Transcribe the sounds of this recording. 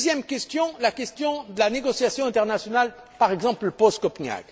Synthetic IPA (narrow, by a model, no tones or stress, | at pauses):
zjɛmkʲɛst̪jɔ̃lakʲɛst̪jɔ̃d̪əlaneɡɔsjasjɔ̃ɛ̃t̪ɛʁnasjɔnal | paʁɛɡzɑ̃pləpɔskɔpɲa̰ɡ